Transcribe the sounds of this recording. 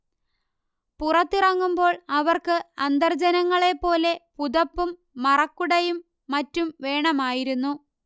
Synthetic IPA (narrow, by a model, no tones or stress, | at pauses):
purɐt̪ːirɐŋːumbo̞ːɭɐʋɐrkɨɐnd̪ɐrd͡ʑɐnɐŋːɐɭe̞pːo̞ːle̞puðɐpːumː | ɐrɐkːuɽɐjumː | ɐtːumʋe̞ːɳɐmaːjiɾunːu